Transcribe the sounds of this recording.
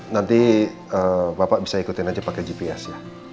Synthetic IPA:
nant̪i | əbapaʔbisaikut̪ɪnad͡ʒapakɛd͡ʒipiasɪ

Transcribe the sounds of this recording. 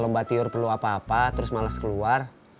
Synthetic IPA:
lɔmbat̪iʊrpərluapaːpat̪əɾʊsmalaskəluar

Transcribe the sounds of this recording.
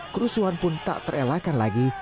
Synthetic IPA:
kɾusuanpʊnt̪a̰ʔt̪əɾelakanlaɡi

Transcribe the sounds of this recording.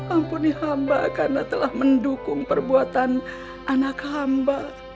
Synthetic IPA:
mampunihamba̰karnat̪əlahməndukʊŋpərbuat̪an | ʔanakhamba

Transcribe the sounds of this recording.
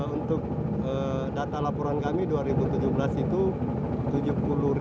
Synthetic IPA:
unt̪ʊk̚ | ə | dat̪alapɔɾankamiduaɾibut̪ud͡ʒubəlasit̪u | t̪ud͡ʒupulu

